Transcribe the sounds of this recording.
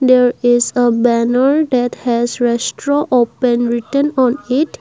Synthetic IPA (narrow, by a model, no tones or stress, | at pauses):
d̪eɾizəbɛnəɾd̪ɛʈhɛzɾɛsʈɾoʔopẽnɾiʈə̃nɔ̃niʈ